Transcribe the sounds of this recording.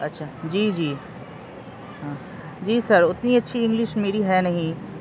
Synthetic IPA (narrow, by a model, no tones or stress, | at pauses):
ɐtːʃʰaːd͡ʒiːd͡ʒiː | ɦãː | d͡ʒiːsɐɾʊt̪niɐtːʃʰiɪ̃ŋɡlɪʃmeːɾiɦɛnɐɦĩ